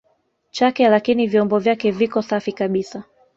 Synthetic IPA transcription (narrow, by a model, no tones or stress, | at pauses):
t͡ʃakɛlakinivjɔmbɔvjakɛvikɔsafikaɓisa